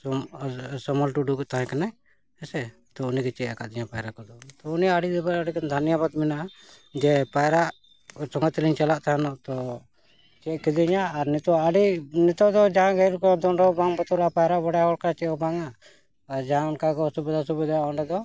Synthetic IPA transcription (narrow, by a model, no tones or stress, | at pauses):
sɔmɔlʈuɖukt̪aɦɛ̃kana | ɛsɛ | t̪ɔunikɛt͡ʃɛakaʔd̪iɲapajɾakɔd̪ɔt̪ɔunijaaɽiʔd̪ɛbaɾaɽikand̪ʱanijabad̪mɛnaʔa | d͡ʒɛpajɾaʔ | sɔŋat̪iliɲt͡ʃalaʔt̪aãnɔt̪ɔ | t͡ʃɛʔkɛd̪iɲaːɾnɛt̪ɔaɖinɛt̪ɔd̪ɔd͡ʒaɦãɡɛɾukɔd̪ɔɳɖɔbaŋbɔt̪ɔɾapajɾaʔbɔɽjahɔlkat͡ʃɛkɔbaŋaː | ɾd͡ʒaɦãɔnkakɔsubid̪asubid̪ajaɔɳɖɛd̪ɔ